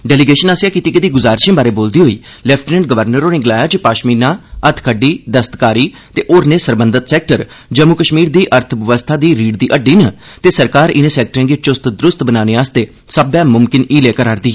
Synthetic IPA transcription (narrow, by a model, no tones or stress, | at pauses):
ɖɛːlɪɡeːʃənaːsjaːkiːt̪iːkɪd̪iːɡʊzaːɾʃẽːbaːɾeːboːld̪iːɦoːiː | lɛːpʰʈːnə̃ɳʈ̚ɡəʋəɾnəɾoːneːɡəlaːjaːt͡ʃpaːʃmiːnãːət̪ʰkʰəɖiːd̪əst̪kaːɾiː | t̪eːʔoːɾneːsəɾbənd̪ət̪sɛːk̚ʈəɾ | d͡ʒəmukəʃmiːɾd̪iːʔəɾt̪ʰʋəʋəst̪ʰaːd̪iːɾiːɽd̪iːʔəɖiːnət̪eːsəɾkaːɾɪnẽːsɛːk̚ʈɾẽːɡet͡ʃʊst̪d̪ɾʊst̪bənaːneːaːst̪eː | səbɛ̃ːmʊmkɪniːleːkəɾaːɾd̪iː